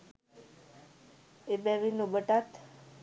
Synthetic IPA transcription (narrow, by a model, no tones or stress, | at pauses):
ebɛʋinubəʈat̪